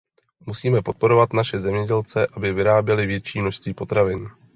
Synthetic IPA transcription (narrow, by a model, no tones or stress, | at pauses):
musiːmɛpo̞t̪̚po̞ɾo̞vat̪naʃɛzɛmɲɛɟɛlt͡sɛʔabɪvɪɾaːbjɛlɪvjɛt͡ʃiːmnoʃst̪viːpo̞t̪ɾavɪn